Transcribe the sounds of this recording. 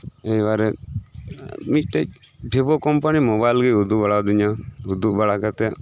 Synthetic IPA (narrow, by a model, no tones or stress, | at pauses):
ejwaɾɛ | mit̚ʈɛc̚ | bʱebɔkɔmpanimɔbajlɡɛud̪ubaɽad̪iɲaud̪ubaɽakat̪ɛ